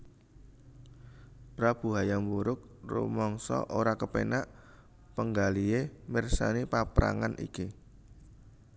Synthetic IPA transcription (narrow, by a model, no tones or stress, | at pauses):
pɾab̥ṳɦajambuɾʊk̚rṵmɔŋsɔ̰ʔoɾakəpenaʔ | pəŋɡaliemɪrsanipapɾa̰ŋanʔḭki